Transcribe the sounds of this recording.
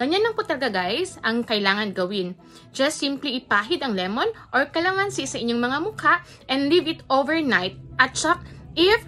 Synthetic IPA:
ɡ̥ɐɲanːɐŋpʊt̪ɐlɡaɡajsʔɐŋkɐjlaːŋɐnɡɐwɪn | d͡ʒɐstːimpliɪpaːɦɪd̪ɐŋlɛmo̞nʔoɹkɐlaŋansɪsɐʔɪɲːoŋmɐŋamʊkaʔ | ʔɛ̃nd̪livɪt̪ʔovɛɹnajt̪̚ʔɐt̪̚t͡ʃak̚ʔɪf

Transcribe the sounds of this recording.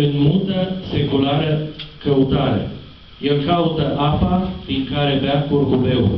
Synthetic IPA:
ɨnmut̪əse̞kulaɾəkəut̪aɾe̞̰ | je̞lkaut̪əʔapapiŋkaɾe̞beakurkube̞uɾ

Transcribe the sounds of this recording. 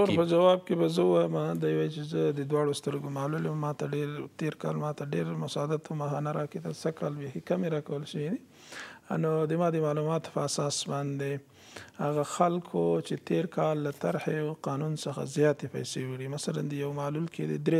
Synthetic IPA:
oɾpəd͡ʒawɑb̚kebazəuwajəmad̪ajwajt͡ʃezəd̪əd̪wɑɽost̪əɾɡomɑluləmːɑt̪aɖeɾt̪eɾkɑ̰lmɑt̪aɖeɾmʊsɑd̪at̪ʰumaxanaɾɑket̪asakʰɑlbexikameɾɑkawəlʃewine | nod̪əmɑd̪əmɑlumɑt̪o̥pəasɑsbɑnd̪e | haɣaxalkʰot͡ʃet̪eɾkʰɑlːat̪aɾhewqɑnunsəxa̰zjɑt̪epa̰jsewɪɽimasala̰nd̪əjawmalulkʰed̪ḛd̪ɾe

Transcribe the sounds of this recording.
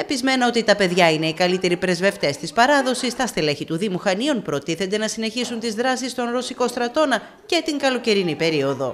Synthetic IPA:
e̞pizme̞nɐo̞t̪it̪ɐpe̞ðʝɐine̞ikɐlit̪e̞ɾipɾe̞zve̞ft̪e̞st̪ispɐɾɐðo̞sist̪ɐst̪ele̞çit̪uðimuxɐnio̞npɾo̞t̪iθend̪e̞nɐsine̞çisunt̪izðɾɐsist̪o̞nɾo̞siko̞st̪ɾɐt̪o̞nɐ | ce̞t̪iŋɡɐlo̞ce̞ɾinipe̞ɾio̞ðo̞̰

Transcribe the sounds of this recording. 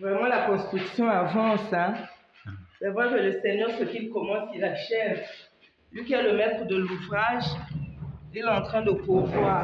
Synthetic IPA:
vʁɛmɑ̃lakɔ̃st̪χyksjɔ̃avɑ̃sɛ̃ | fɛvɛkələsɛɲœʁsəkilkɔmɑ̃silaʃɛv | lɥikʲiɛləmɛt̪χəd̪əluvʁaʒ | ilɛɑ̃t̪χɛ̃d̪əpuvwaːʁ

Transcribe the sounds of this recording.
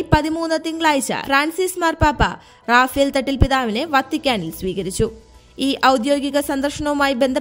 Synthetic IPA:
pɐðimuːnːɐt̪iŋɡɭaːjit͡ɕːɐ̰fraːnsiːsmaːrpaːpːɐ̰ | raːfijɐlt̪ɐʈːilpiðaːʋine̞ʋɐt̪ːikʲːaːnilsʋiːɣɐɾit͡ɕːu | iːʔɐwd̪jo̞ːɡiɣɐsɐnd̪ɐrʂɐɳɐʋumaːjibe̞nd̪ʱɐ

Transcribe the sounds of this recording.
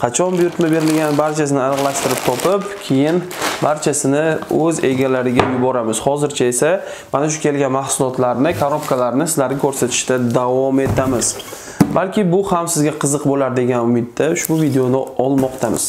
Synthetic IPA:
qʰɑt͡ʃʰɒnbʊjʊɾt̪mabe̞ɾɪlɡʲanbaɾt͡ʃʰasɪnɪalɨʁlˠaʃt̪ɪɾɪp̚t̪ʰɒpʰɪpkʲʰe̞jɪn | baɾt͡ʃʰasɪnɪɵze̞ɡʲalaɾɪɡʲajʊbɒɾamɪz̥hɒzɪɾt͡ʃʰae̞sa | manaʃ̬ʊkʲʰe̞lɡʲanmahsʊlˠɒt̪laɾnɪkʰaɾopkʰalaɾnɪsɪzlaɾnɪkʲʰɵɾsat̪ʰɪ̥ʃt̪ad̪avɒme̞t̪ʰamɪz̥ | balkʲɪbʊhamsɪzɡʲaqʰɨzɨqbolaɾd̪e̞ɡʲanʊmɪd̪ːaʊʃbʊvid̪eonɪɒlˠmɒqt̪ʰamɪ̰z̥

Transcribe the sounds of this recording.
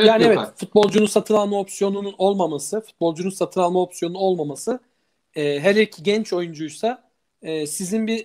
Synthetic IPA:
jaːniɛvɛt̪fut̪̚bo̞lˠd͡ʒununsat̪ʰɯnalˠmao̞psjo̞nununo̞lˠmamasɯfu̥t̪̚bo̞lˠd͡ʒununsat̪ʰɯnalˠmao̞psjo̞nuno̞lˠmamasɯ | ɛːɦelʲɛɾicʰiɟɛnt͡ʃʰo̞jund͡ʒujsa | ɛːsizinbi

